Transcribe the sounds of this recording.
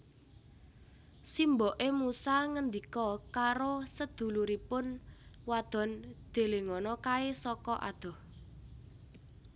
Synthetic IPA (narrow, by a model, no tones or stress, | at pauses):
simbɔʔemusaŋənd̪ikɔkaɾosəd̪̥ṳluɾipʊnwad̪̥ɔ̤nd̪̥e̤leŋɔnɔkaesɔkɔʔa̰d̪̥ɔ̤h